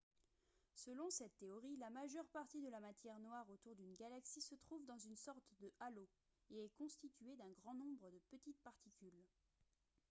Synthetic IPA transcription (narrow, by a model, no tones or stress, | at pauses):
səlɔ̃sɛt̪ːeɔʁilamaʒœʁpaʁt̪id̪əlamat̪jɛʁnwaʁot̪uʁd̪ynɡʲalaksisət̪χuvd̪ɑ̃zynsɔʁt̪d̪əʔalo | eɛkɔ̃st̪it̪yed̪ɛ̃ɡʁɑ̃nɔ̃bʁəd̪əpət̪it̪̚paʁt̪ikʲyl